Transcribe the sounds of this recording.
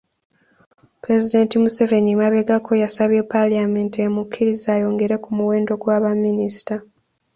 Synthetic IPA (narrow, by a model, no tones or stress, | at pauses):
pɾe̞zide̞ːntimuse̞ve̞nimaβe̞ɡakʰo̞jasaβje̞paliame̞ːntemukʰʲːiɾizaːjo̞ŋɡe̞ɾe̞kumuwe̞ːndo̞ɡwaːβamːinisi̥ta